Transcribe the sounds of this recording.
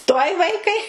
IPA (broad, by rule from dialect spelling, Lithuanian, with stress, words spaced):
tuɔj ˈʋɐɪkɐɪ